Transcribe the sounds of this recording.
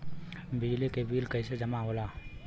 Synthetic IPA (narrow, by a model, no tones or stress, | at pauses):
bɪd͡ʒlikebiːlkəised͡ʒɐmaɦoːlaː